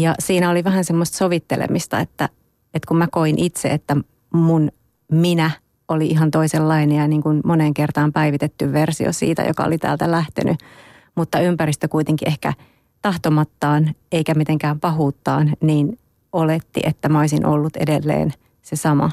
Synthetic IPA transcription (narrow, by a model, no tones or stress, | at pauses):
jɑsiːnæoliʋæɦænsemːost̪soʋit̪ːelḛmist̪ɑ̰et̪ːæ | et̪kummækoinʔit̪seet̪ːæ | mun | minæ | ʔoliʔiɦɑnt̪oiselːɑinejɑniːŋkunmoneːŋkert̪ɑːmpæiʋit̪et̪ːyʋʋersio̰sḭːt̪æ̰jo̰kɑ̰o̰lit̪æ̰ːlt̪ælæht̪ḛnʔy | mut̪ːɑympæɾist̪økuit̪eŋkiʔehkæ̰ | t̪ɑht̪omɑt̪ːɑːneikæmit̪eŋkæːmpɑɦuːt̪ːɑ̰ːnniːn | olet̪ːḭʔet̪ːæmæoisinʔolːut̪ḛdelːḛːn | sesɑmɑ̰